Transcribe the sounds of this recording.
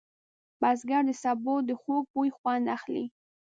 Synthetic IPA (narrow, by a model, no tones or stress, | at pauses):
bazɡaɾd̪əsabod̪əxoɡ̚pojxwand̪axlḭ